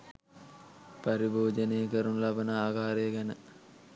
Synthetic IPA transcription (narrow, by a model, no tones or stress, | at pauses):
pɐɾiboːd͡ʒənejəkəɾunlɐbənaaːkaːɾejəɡɛnə